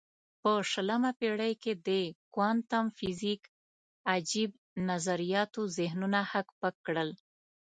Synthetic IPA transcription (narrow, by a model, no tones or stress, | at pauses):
pəʃələmapeɽəjked̪əkwɑnt̪amfɪzik | ad͡ʒib̚ | nazaɾijɑt̪ozɪhnunahakpəkːɽəl